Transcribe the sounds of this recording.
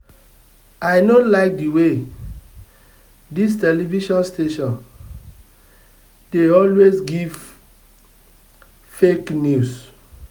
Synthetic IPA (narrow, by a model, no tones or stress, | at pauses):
aɪnolaɪk̚diwe | dis̬tɛliviʃɔ̃nsteʃɔ̃n | d̥eɔlwezɡiv | feknjus